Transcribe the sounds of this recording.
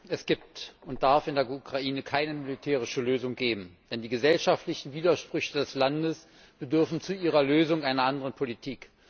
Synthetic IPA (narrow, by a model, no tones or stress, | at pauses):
ʔɛsɡ̥iːp̚tʊnt̚d̥aɐfɪndeːɐukʁ̥aʔiːnəkʰaɪnəmɪlitʰɛːʁ̞ɪʃəløːzʊŋɡ̥eːbm̩d̥ɛndiːɡəzɛlʃaftlɪçn̩viːdɐʃpʁ̥ʏçədɛslandəs | b̥ədʏɐfn̩t͡suʔiːʁɐløːzʊŋʔaɪnɐʔandəʁənpʰolitʰiːk